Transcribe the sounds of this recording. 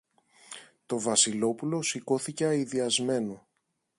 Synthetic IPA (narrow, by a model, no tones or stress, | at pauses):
t̪o̞vɐsilo̞pulo̞siko̞θice̞ɐiðiɐzme̞no̞